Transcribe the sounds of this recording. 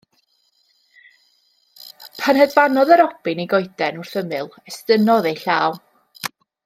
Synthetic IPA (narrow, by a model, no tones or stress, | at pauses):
pʰanhɛdvanɔðəɾɔb̥ɨniɡɔɨdɛnʊr̥θəmɨlˠɛstənɔðejɬaːw